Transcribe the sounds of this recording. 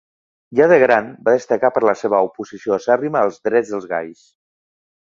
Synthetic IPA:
ʒaðəɣɾanbaðəst̪əkapəɾləseβ̞əupuzisioəsariməəlˠzðɾɛd͡zðəlˠzɣa̰js

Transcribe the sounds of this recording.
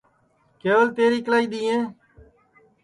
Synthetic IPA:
keːʋəlt̪eːɾiːklaːiːɗ̪iːẽː

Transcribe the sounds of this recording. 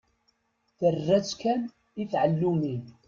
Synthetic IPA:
θərːæt͡skæn | iθʕəlːumin

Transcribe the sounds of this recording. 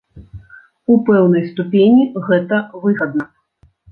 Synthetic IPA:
upɛwnɐjst̪upʲenʲiɣɛt̪ɐvɨɣɐd̪̚nɐ

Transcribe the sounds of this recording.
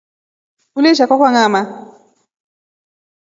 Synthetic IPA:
kulɛʃakwakwaŋama

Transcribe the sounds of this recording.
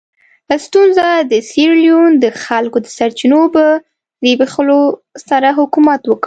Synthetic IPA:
last̪unzad̪əsiɾlijund̪əxalkod̪əsaɾt͡ʃinobə | lbexlosaɾaɦʊkumat̪wək

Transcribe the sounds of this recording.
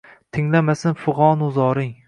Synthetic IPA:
t̪ʰɪŋlamasɪnfʊʁɒnʊzɒɾɪŋ

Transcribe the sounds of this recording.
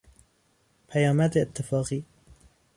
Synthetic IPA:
pʰajaːmaːt̪ʔɪt̪ːɪfɑːqiː

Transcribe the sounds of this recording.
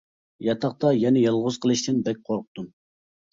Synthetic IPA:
jɑt̪ʰɑχt̪ɑjɛnɛjɑlˠʁʊz̥qʰəlˠɨʃt̪ɪnbɛk̚ʲqʰoɾqʰʊ̥t̪un

